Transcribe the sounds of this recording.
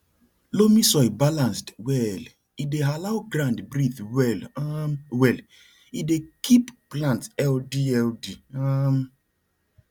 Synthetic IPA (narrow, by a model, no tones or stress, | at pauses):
lomisɔɪbalãnstwɛl | idealaʊɡɹãndbɹiθwɛl | wɛl | idekʰipplãntɛldiɛldiam